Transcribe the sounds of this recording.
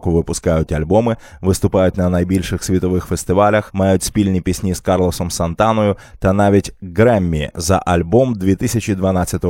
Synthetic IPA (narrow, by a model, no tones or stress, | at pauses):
kʊʋɪpʊskɑjʊtʲɐlʲbɔmɪ | ʋɪst̪ʊpɑjʊtʲnɐnɐjbʲilʲʃɪxsʲʋʲit̪ɔʋɪxfest̪ɪʋɑlʲɐxmɑjʊtʲsʲpʲilʲnʲipʲisʲnʲizkɑrlˠɔsɔmsɐnt̪ɑnɔjʊt̪ɐnɑʋʲitʲɡɾɛmʲːḭzɐ̰ʔɐlʲbɔmd̪ʲʋʲit̪ɪsʲɐt͡ʃid̪ʋɐnɑt͡sʲɐt̪ɔ